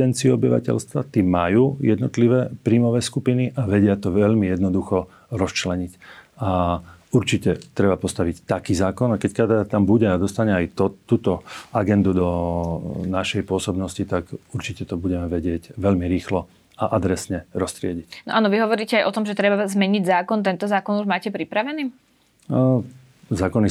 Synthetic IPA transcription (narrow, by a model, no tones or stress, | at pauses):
ɛnt͡siuɔbiʋa̰cɛ̰ʎst̪ʋa̰t̪iːmajuːjɛd̪nɔt̪liʋɛpɾiːmɔʋɛːskupiniʔaʋɛɟɪat̪ɔʋɛʎmijɛd̪nɔd̪uxɔ | ɾɔst͡ʃlɛɲicauɾt͡ʃicɛt̪ɾɛbapɔst̪aʋict̪akiːzaːkɔnakɛckad̪aːt̪ambuɟɛad̪ɔst̪aɲɛajt̪ɔt̪ːuːt̪ɔaɡɛnd̪ud̪ɔ | naʃɛjpʊɔsɔbnɔscit̪akuɾt͡ʃicɛt̪ɔbuɟɛmɛʋɛɟɪɛɟʋɛʎmiɾiːxlɔ | aʔad̪ɾɛsɲɛɾɔst̪ɾɪɛɟicnɔʔaːnɔʋiɦɔʋɔɾiːcɛajʔɔt̪ɔmʒɛt̪ɾɛbazmɛɲiɟzaːkɔnt̪ɛnt̪ɔzaːkɔnuʒmaːcɛpɾipɾaʋɛniː | zaːkɔni